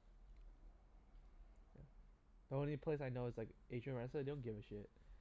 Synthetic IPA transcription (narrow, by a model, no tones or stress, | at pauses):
ja̰ | d̥əõnlipʰl̥esaɪnoʊɪzlaɪkʔed͡ʒə̃nɹɛ̃nsədõnɡɪvəʃɪt̚